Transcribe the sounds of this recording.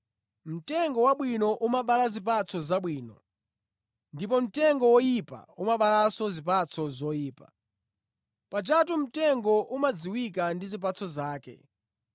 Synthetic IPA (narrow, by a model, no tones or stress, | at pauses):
m̩tɛŋɡɔwaɓwinɔʔumaɓalazip̬at͡sʰɔzaɓwiːnɔ̰ | ndip̬ɔm̩tɛŋɡɔwɔjipa̰umaɓalasɔzip̬at͡sʰɔzɔjiːpa | pat͡ʃatum̩tɛŋɡɔʔumad͡ziwik̬andizip̬at͡sʰɔzaːkɛ̰